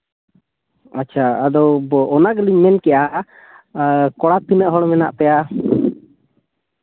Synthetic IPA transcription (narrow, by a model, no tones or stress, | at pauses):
aːt͡ʃʰaːd̪ɔbɔʔːnaɡliɲmɛnkɛjaʔ | kɔɽat̪inəʔɦɔɽmɛna̰ʔpɛja